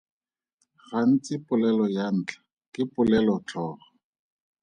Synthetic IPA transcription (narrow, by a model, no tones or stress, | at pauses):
χan̩t͡sʼɪpʊlɛlɔjan̩ːt͡ɬʰḁ | kɪpʼʊlɛlɔt͡ɬʰɔːχɔ